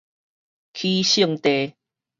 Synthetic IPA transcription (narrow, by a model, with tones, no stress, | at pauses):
kʰi˦ɕi˥˧ŋt̪e˨